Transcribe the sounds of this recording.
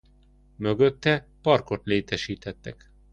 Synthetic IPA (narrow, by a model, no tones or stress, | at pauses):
mø̞ɡø̞t̪ːɛpɒrko̞t̪leːt̪ɛʃiːt̪ɛt̪ːɛk